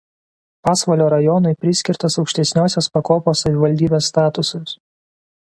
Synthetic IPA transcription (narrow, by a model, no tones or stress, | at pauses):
pɑːsʋɐlʲoːɾɐjɔnʊɪpʲɾʲɪsʲkʲɪɾt̪ɐsɒʊkʃʲt̪ʲɛsʲnʲoːsʲospɐkoːpoːsɐʋʲɪʋɐlʲd̪ʲiːbʲeːsːt̪ɑːt̪ʊsɐs